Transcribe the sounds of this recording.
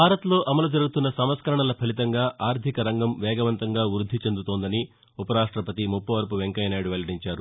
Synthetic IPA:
bʱaːɾɐt̪lo̞ːʔɐmɐlud͡ʒɐɾuɡut̪unːɐsɐmɐskɐɾɐɳɐlɐpʰɐlit̪ɐŋɡaːʔaːɾt̪ʰikɐɾɐŋɡɐmʋɛːɡɐʋɐnt̪ɐŋɡaːʋɾud̪ʱːit͡ʃe̞nd̪ut̪oːnd̪ɐni | upɐɾaːʂʈɾɐpɐt̪imupːɐʋɐɾp̬uʋeŋkɐjɐnaːjɽuʋeɭɐɽiɲt͡ʃaːɾu

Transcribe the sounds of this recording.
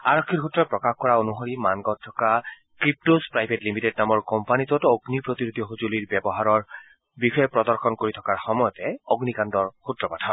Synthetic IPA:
aɹɔkʰːiɹɦutːɔpɹɔkaxkɔɹaonuɦoɹimanɡɔt̚tʰːɔka | kɹip̚tospɹajbʱetlimited̚namɔɹkɔmpanitɔtoɡnipɹot̪iɹud̪ijɔxuzuliɹbɛbɔɦaɹɔɹ | bixɔjɛpɹɔd̪ɔɹxɔnkoɹitʰɔkaɹxɔmɔjɔtɛoɡnikandɔɹxutɹɔpatʰaɔ̃

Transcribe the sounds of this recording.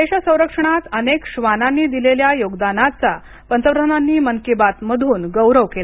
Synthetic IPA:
eɕasə̃w̃ɾəkʂəɳ̃at̪ənekɕʋananːiːd̪ileljajoɡd̪anat͡sa | pənt̪əʋd̪ʱənanːiːməŋkibat̪məd̪ʱuːnɡəwɾəʋkela

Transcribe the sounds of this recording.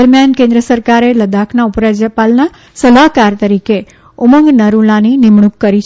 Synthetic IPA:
əɾmjankẽnd̪ɾəsəɾkaɾeləd̪akʰnaupɾad͡ʒəpalna | səlaɦkaɾt̪əɾike | ʊməŋɡnəɾulaninɪmɳukːəɾit͡ʃʰ

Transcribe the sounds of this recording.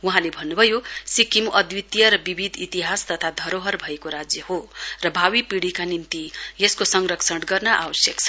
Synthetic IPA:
wuɦãlebʱʌnːubʱʌjosikimʔʌd̪jit̪jʌɾʌbibʱid̪ʱit̪iɦast̪ʌt̪ʰad̪ʱʌɾoɦʌrbʱʌekoɾad͡zjʌhorʌbʱawipiɽikanint̪ijeskosʌŋrʌksʰʌɽɡʌrnʌʔa̰bʌsjʌkt͡sʰʌ

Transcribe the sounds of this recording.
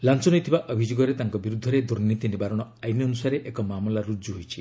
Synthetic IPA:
lant͡ʃɔnɔjt̪ʰibaʔɔbʱid͡ʒoɡɔɾet̪aŋkɔbiɾud̪ʱːɔɾed̪uɾnit̪inibaɾɔɽ̃ɔajnjɔnusaɾeʔekɔmamlaɾud͡ʒuɦojt͡ʃʰi

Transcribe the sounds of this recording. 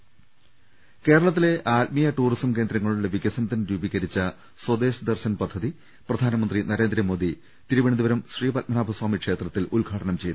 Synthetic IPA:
ke̞ːɾɐɭɐt̪̬ːile̞ʔaːt̪̚mijɐʈuːrisɐmke̞ːnd̪ɾɐŋːɐɭuɭeʋiɡɐsɐnɐt̪ːɐnɾuːbiɣɐɾit͡ɕːɐ | swɐd̪e̞ːɕud̪ɐrɕɐnpɐd̪ʱːɐði | prɐd̪ʱaːnɐmɐnd̪rinɐɾe̞ːnd̪ɾɐmo̞ːd̪i | t̪iɾuʋɐɳid̪iʋɐɾɐmɕriːpɐt̚mɐnaːbʱɐswaːmikʂe̞ːt̪rɐt̪ːilulɡʱaːʈɐɳɐmt͡ɕe̞jt̪

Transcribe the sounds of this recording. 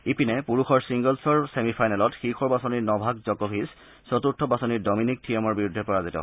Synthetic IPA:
ipinɛpuɹuxɔɹsiŋɡɔlsɔɹsemipʰajnɛlɔtxixʰɔɹbasɔniɹnɔbʱakzɔkɔbʰʱis | sɔt̪uɹtʰːɔbasɔniɹdɔminik̚tʰijemɔɹbiɹudʱːɛpɔɹazitɔ̰

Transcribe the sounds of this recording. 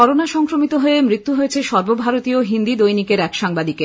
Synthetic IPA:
ɔɾonaʃɔŋkɾomit̪oɦoemɾit̪ːuɦoet͡ɕʰeʃɔɾbobʱaɾot̪ioɦind̪id̪ojnikeɾɛkʃaŋbad̪ike

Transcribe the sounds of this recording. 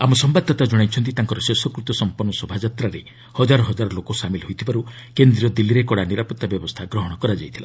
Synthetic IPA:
amɔsɔmbad̪ʱːɔt̪ad͡ʒɔɽ̃ajt͡ʃʰɔnt̪̬it̪aŋkɔɾɔsesɔkɾut̪ɔsɔmpɔɾnːɔsɔbʱad͡ʒat̪ɾaɾe | hɔd͡ʒaɾɔɦɔd͡ʒaɾɔlokɔsamilɦojt̪ʰibaɾu | kend̪ɾiɔd̪ilːiɾekɔɽaniɾapɔt̪ːabjɔbɔst̪ʰaɡɾɔɦɔɽ̃ɔkɔɾad͡ʒajt̪ʰila̰

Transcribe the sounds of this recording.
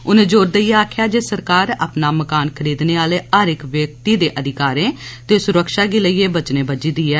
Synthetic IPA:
ʊnẽːd͡ʒoːɾd̪əiːaːkʰjaːd͡ʒeːsəɾkaːɾa̰ːpnaːməkaːnkʰəɾiːd̪neːaːleːʔəːɾɪkʋjək̚t̪iːd̪eːʔəd̪ʱɪkaːɾẽːt̪eːsʊɾəkʃaːɡiːləiːeːbət͡ʃnẽːbəd͡ʒiːd̪iːɛː

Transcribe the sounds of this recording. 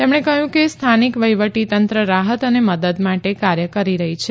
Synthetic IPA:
t̪emɳ̃ekəɦjũkest̪ʰanikʋəjʋəʈit̪ənt̪ɾəɾaɦət̪əneməd̪əd̪maʈekaɾjəkəɾiɾəɦit͡ʃʰe

